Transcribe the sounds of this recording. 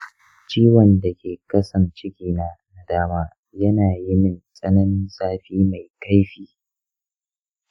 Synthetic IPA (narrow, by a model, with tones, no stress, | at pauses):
t͡ʃiː˦wɐ˨nda˨kʲeː˨kɐ˦sɐ˨nt͡ʃɪ˦ɡʲiː˨naː˦na˨daː˦maː˦ | jɐ˦naː˨jɪ˦mɪ˦nsʼɐ˦nɐ˦n˦zaː˦ɸiː˦ma˨jka˦jɸiː˨